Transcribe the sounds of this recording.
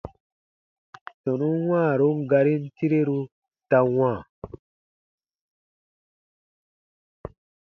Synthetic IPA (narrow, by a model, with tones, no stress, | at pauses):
sɔ˨nũ˦nwãː˦˨ɾu˦ŋ˦ɡa˧ɾi˦n˦ti˦ɾe˦ɾu˦ | ta˧wãː˦˨